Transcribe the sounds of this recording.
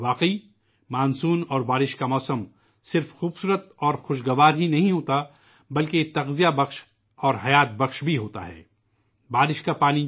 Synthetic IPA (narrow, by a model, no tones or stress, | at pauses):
ʋaːqi | maːnsuːnɔːɾbaːɾɪʃkamɔːsəm | sɪɾfxuːbsuːɾət̪ɔːɾxʊʃ̬ɡɐʋaːɾɦinɐɦĩɦoːt̪a | bɐlket̪ɐɣzijabɐqʃ | ɔːɾɦɐjaːt̪̚bɐxʃbʱiɦoːt̪a̰ɦɛ̰ː | baːɾɪʃkapaːni